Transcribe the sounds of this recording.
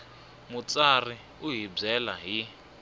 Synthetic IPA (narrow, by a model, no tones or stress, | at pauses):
mut͡sari | uɦib͡ʐɛlaɦi